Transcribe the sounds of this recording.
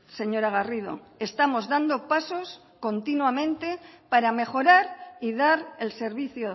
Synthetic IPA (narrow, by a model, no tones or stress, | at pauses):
se̞ɲo̞ɾaɣarið̞o̰ | e̞st̪amo̞zðand̪o̞paso̞s | ko̞nt̪inwamẽ̞nt̪e̞paɾame̞xo̞ɾaɾiðaɾelse̞ɾβiθjo